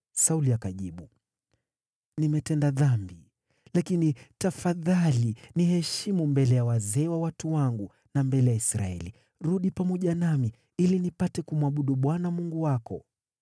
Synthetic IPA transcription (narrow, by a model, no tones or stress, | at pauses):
sauliakaʄiɓu | nimɛtɛndaðambi | lakinitafaðalinihɛʃimumbɛlɛjawazɛːwawatuwaŋɡu | nambɛlɛjaisɾa̰ɛ̰li | ɾuɗipamɔʄanami | ilinipatɛkumuwaɓuɗuɓwanamuŋɡuwakɔ̰